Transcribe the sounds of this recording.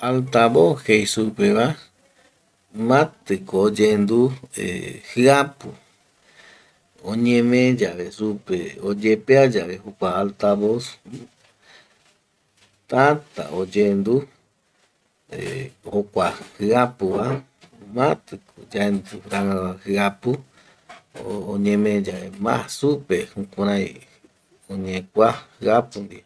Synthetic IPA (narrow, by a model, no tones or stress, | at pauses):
alt̪aβohejsupeβa | mãt̪ɨkoːd͡ʒend̪uḛhɨapu | õɲẽmẽd͡ʒaʋesupeod͡ʒepead͡ʒaʋehukʷaːlt̪aβos | t̪at̪a̰od͡ʒend̪u | ehokʷahɨapɨβa | mãt̪ɨkud͡ʒaend̪uɾaãahɨapu | oɲẽmẽd͡ʒaβemã̰supehukʷãɾ̃ãj̃ | õɲẽkʷahɨapɨnd̪ia